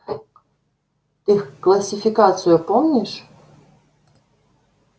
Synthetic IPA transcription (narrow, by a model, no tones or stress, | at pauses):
t̪ɨklˠɐsʲifʲikat̪sɨjʊpomnʲiʂ